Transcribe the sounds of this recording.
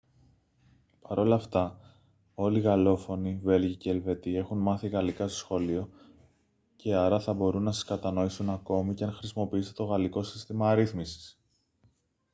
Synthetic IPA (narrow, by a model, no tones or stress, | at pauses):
pɐɾo̞lɐft̪ɐ | o̞liɣɐlo̞fo̞nive̞lʝiceːlve̞t̪ie̞xunmɐθiɣɐlikɐst̪osxo̞lio̞ | ce̞ɐɾɐθɐbo̞ɾunːɐsɐ̥skɐt̪ɐno̞isunɐko̞miceɐnxɾisimo̞piist̪e̞t̪oɣɐliko̞sist̪imɐɾiθmisi̥s